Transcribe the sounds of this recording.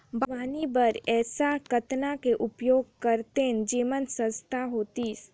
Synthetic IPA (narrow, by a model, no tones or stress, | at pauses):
baːnibəɾɛːsakət̪nakeʔʊpjoːɡ̚kəɾt̪end͡ʒiːmənsə̃nst̪ʰaɦoːt̪is